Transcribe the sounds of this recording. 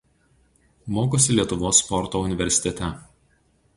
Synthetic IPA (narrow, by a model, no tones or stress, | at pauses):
moːkʊsʲɪlʲiɛt̪ʊʋoːsːpɔɾt̪oːʊnʲɪʋʲɛɾʲsʲɪ̥t̪ʲɛt̪ʲɛ